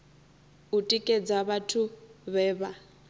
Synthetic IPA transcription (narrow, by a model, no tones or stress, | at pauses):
utʼikʼɛd͡zaβatʰuβɛːβa